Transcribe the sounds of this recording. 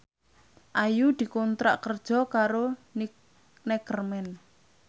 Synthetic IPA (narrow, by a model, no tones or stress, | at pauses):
ʔajud̪̥i̤kɔnt̪ɾa̰ʔkərd̥ʒ̥ɔ̤kaɾon | nɛɡ̥ərmɛn